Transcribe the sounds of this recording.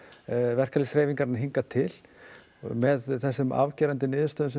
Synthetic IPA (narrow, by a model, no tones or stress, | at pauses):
vɛr̥kalɪsɾeːjviŋkaɾnaɦiŋkat̪ʰɪl | mɛðθɛsːʏma̰vcɛːɾant̪ɪnɪːðʏst̪œːðʏns